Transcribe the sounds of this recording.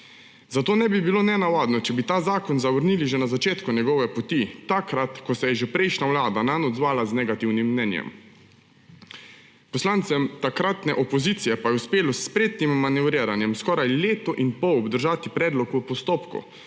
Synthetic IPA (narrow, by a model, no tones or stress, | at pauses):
zat̪oːnɛbibiloːnɛnaʋaːd̪nɔt͡ʃɛbit̪aːzaːkɔnzaʋəɾniliʒɛnazat͡ʃeːt̪kunjɛɡɔʋɛpɔt̪it̪akɾat̪kɔsɛjɛʒɛpɾɛjʃnawlaːd̪ananɔd̪zʋaːlaznɛɡat̪iwnimːnɛnjɛ̰m | pɔslant̪sɛmt̪akɾat̪nɛʔɔpɔzit̪sijɛpajɛuspeːlɔsːpɾeːt̪nimːanɛʋɾiːɾanjɛmskɔːɾajleːt̪ɔʔinpɔwɔbd̪əɾʒaːt̪ipɾɛːd̪lɔkupɔst̪oːpkṵ